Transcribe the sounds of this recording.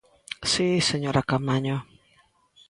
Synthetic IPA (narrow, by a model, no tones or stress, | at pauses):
sisəɲoɾakamaɲɔ